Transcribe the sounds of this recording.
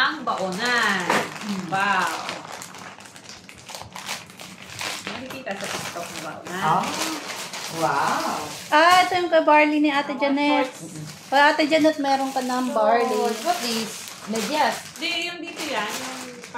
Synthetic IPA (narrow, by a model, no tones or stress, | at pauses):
ɐŋbɐʔonanwaw | mɐkikiːt̪ɐsɐpɪɡt̪ok̚nɐbɐ̰ʔo̰na | wawʔaʔɛt̪ojʊŋkɐbaɹliniʔaːt̪ɛd͡ʒɐnɛt̪̚ | ɐʔaːt̪ɛd͡ʒɐnɛt̪̚mɛːɾoŋkɐnɐŋbaɹliɐplis | mɛdasd̪ɛjʊŋd̪iːt̪ojanjʊŋ